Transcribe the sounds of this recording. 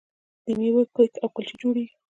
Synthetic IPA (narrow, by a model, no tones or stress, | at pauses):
d̪̥əmiwəkəkawkəlt͡ʃid͡ʒoɽi